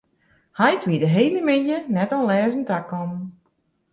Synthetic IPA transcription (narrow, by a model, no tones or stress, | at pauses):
hajtʰʋidəɦejləmɪnjənɛtɔnlɛːzən̩takɔm